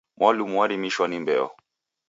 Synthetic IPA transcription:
mwalumuwaɾimiʃwanimbɛ̰ɔ̰

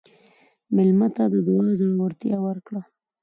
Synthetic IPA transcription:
mɪlmat̪ad̪əd̪wɑzəɽwəɾt̪jɑwəɾkɽa

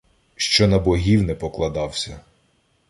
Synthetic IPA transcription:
ʃt͡ʃɔnɐbɔɦʲiwnɛpɔklˠɐd̪ɑwsʲɐ

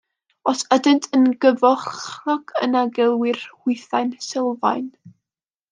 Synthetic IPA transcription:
ɔsɛdəntʰənɡəvɔχnɔkʰənaɡɛlˠwɪrhɪɨθajnsɪlˠva̰jn

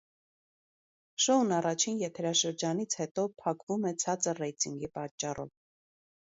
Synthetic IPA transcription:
ʃɔunɑrɑt͡ʃʰinjɛt̪ʰɛɾɑʃəɾd͡ʒɑnit͡sʰhɛt̪ɔpʰɑkvumɛt͡sʰɑt͡sərɛjt̪iŋɡipɑt͡ʃːɑrɔ̰v

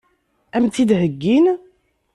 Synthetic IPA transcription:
æmt̪id̪ɦəɡːin

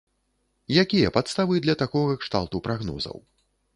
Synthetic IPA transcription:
jakʲijɐpat̪st̪avɨd̪lʲɐt̪akɔɣɐkʂt̪a̰lˠt̪upɾaɣnɔ̰zɐ̰w

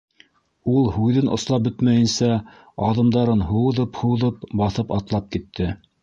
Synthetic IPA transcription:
ulˠhʉðɘnʔŏ̰slˠɑp̚bɵt̪mæjɘ̆nsæ | ɑðɤ̆md̪ɑɾɤnɦŭwðɤphuwðɤpbɑθɤpɑt̪lˠɑp̚kit̪ːɘ

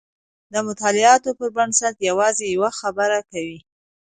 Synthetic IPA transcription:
d̪əmʊt̪ɑlɪɑt̪opəɾbaɳsat̪jawɑzejawaxabəɾakawi

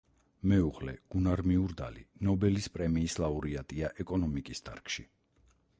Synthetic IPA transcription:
mɛuʁlɛ̰ɡ̥unaɾmiuɾd̪a̰lḭnɔbɛlispʼɾɛmiːslˠauɾiat̪ʼiaʔɛkʼɔnɔmikʼisd̪ʰa̰ɾkʰʃi

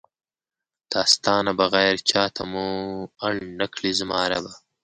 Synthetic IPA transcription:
d̪̥aːst̪ɑːnabɐɣɛjɾt͡ʃʰɑːt̪ʰamuɐɳnakʰlizmɑːɾaba

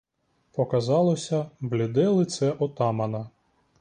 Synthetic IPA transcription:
pɔkɐzɑlˠɔsʲɐblʲɪd̪ɛlˠɪt̪sɛʔɔt̪ɑmɐnɐ

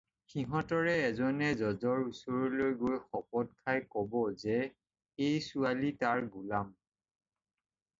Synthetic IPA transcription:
xiɦɔ̃tɔɹɛːzɔnɛzɔzɔɹusoɹɔlojɡojxɔpɔt̚kʰajkɔbɔzɛ | ejsualitaɹɡulam

